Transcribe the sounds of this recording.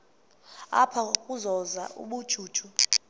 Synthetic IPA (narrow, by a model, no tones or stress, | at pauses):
a̰pʰakʼuzɔza̰ʔṵɓud̥ʒ̥ʱuːd̥ʒ̥ʱu